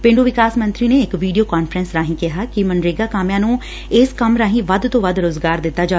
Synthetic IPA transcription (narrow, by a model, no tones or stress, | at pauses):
pɪ̃ːɳɖoːʋɪkaːsmə̃nt̪ɾiːneːɪkʋiːɖijoːkaːnfɾənsɾaːɦĩːkɪɦaːkɪmənɖɾeːɡaːkaːmjãːnũː | ɪskəmɾãːɦĩːʋəd̪t̪õːʋəd̪ɾoːzɡaːɾd̪ɪt̪ːaːd͡ʒaː